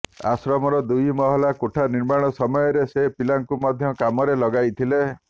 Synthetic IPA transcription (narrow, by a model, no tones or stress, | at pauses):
a̰sɾɔmɔɾɔd̪ujmɔɦɔlakoʈʰaniɾmaɽ̃ɔsɔmɔjɔɾesepilaŋkumad̪ʱjɔkamɔɾelɔɡajt̪ʰile